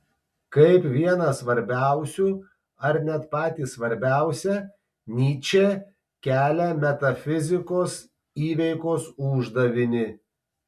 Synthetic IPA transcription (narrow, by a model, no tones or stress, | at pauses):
kɐɪpʋʲiɛnɐsʋɐɾʲbʲæˑʊsʲuː | ɐɾnʲɛt̪pɑːt̪ʲiːsʋɐɾʲbʲæˑʊsʲɛ | nʲiːt͡ʃʲeː | kʲæːlʲɛmʲɛt̪ɐfʲɪzʲɪkoːs | iːʋʲɛɪkoːsʊʒd̪ɐʋʲɪnʲɪ